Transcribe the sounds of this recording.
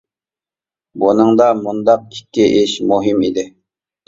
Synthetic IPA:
bunɨŋd̪ɑmund̪ɑq̚i̥kʲʰːiʔɪʃmuɦimid̪ɪ

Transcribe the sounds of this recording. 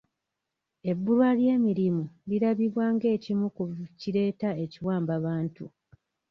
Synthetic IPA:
e̞bːulwalje̞ːmiɾimuliɾaβiβwaːŋɡe̞ːcimukuciɾe̞ːtae̞ciwaːmbaβaːntu

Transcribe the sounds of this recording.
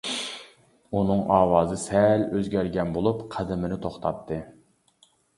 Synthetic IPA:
unɨŋʔɑːwɑːzɨsɛløzɡʲæɾɡʲɛnbolˠupqʰæd̪ɪmɪnɪt̪ʰoχt̪ʰɑtt̪ʰːɨ

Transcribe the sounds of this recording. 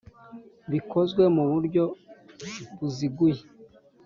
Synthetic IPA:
βiko̞zɡwe̞muβuɾɟo̞ | βuziɡuje

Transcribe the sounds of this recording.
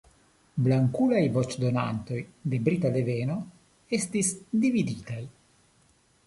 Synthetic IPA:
blaŋkulajvo̞t͡ʃdo̞na̰nt̪o̞jde̞bɾit̪ale̞veno̞ | e̞stisd̪ividitaj

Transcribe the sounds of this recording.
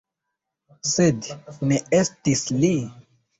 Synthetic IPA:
sedneestisli

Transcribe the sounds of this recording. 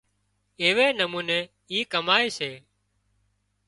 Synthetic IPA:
eːʋeːnəmuːneː | iːkəmaːeːseː

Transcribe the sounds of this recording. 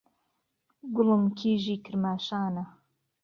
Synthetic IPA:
ɡʊlɨmkʰiːʒikʰɨɾmaːʃaːnɐ

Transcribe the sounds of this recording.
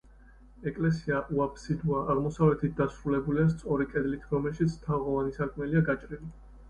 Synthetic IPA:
ɛkʼlɛsiaʔuapʰsid̪uaʔaʁmɔsavlɛt̪ʰit̪̚d̪asɾulɛbuliast̪sʼɔɾikʼɛd̪lit̪ʰɾɔmɛlʃit̪sʰt̪ʰaʁɔvanisakʰmɛliaɡat͡ʃʼɾili

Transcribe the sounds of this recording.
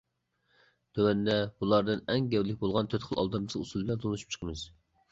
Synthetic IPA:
t̪ʰøwɛnd̪ɛbulˠɑɾd̪ɨnɛŋɡʲɛwlɪk̚ʲbolˠʁɑnt̪ʰøt̪χʰəlˠɑ̰lˠd̪ɑmt͡ʃʰilusulˠblɛnt̪ʰonuʃy̥p̚t͡ʃʰə̥qʰəmɨz̥

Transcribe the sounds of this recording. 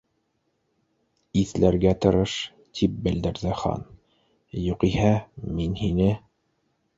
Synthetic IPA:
iθlæɾɡæt̪ɤ̆ɾɤʃ | t̪ʰip̚bɘ̆ld̪ɘ̆ɾðɘχɑ̰n | juqihæminhinɘ

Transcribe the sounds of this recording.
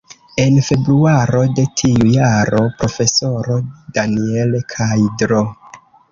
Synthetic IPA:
e̞nfe̞bɾuaɾo̞de̞tʰiujaɾo̞pɾo̞fe̞so̞ɾo̞danielkʰajdɾo̞

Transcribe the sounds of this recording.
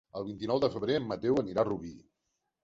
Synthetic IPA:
əlˠβint̪inɔwðəfəβɾeəmːət̪ewəniɾaruβi

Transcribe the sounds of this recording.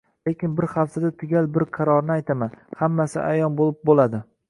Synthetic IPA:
lekʲɪnbɪɾhafsad̪at̪ʰɪɡʲalbɪɾqʰɑɾɒɾnɪajt̪ʰamanhamːasɪ̰ʔajɒnbolɪp̚bolad̪ɪ

